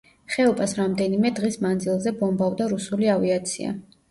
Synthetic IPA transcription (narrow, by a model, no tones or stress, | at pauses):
χɛɔbʼasɾamd̪ɛnimɛd̪ʁismand̪zilˠzɛbɔmbavd̪aɾusuliaviat̪sʰḭa̰